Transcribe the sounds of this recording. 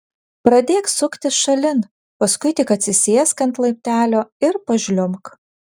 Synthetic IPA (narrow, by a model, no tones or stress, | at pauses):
pɾɐd̪ʲeːksʊkt̪ʲɪʃɐlʲɪn | pɐskʊɪt̪ʲɪkɐt̪ʲsʲɪsʲeːskɐnt̪lˠɐɪp̚ʲt̪ʲæːlʲoːɪɾpɐʒʲlʲʊmk